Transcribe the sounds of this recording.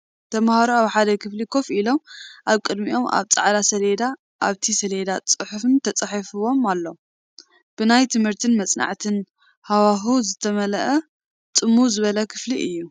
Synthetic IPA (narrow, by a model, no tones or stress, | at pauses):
t̪ʰɐmhaɾuaβħad̪ɐkʰɨflikʰo̞filo̞mʔaβkʼɨd̪miʔo̞ma̰βt͡sʼa̰ʕlasɐled̪a | ʔaβt̪ʰisɐled̪at͡sʼɨħufɨnt̪ʰɐt͡sʼaħifɨwo̞malːo | b̥ɨnajt̪ʰɨmhɨɾt̪ʰɨnmɐt͡sʼna̰ʕt̪ʰɨn | hawaɦuzɨt̪ʰɐmɐlɐʔɐ | t̪ʼɨmːuzɨβɐlɐkʰɨfliʔɨjːu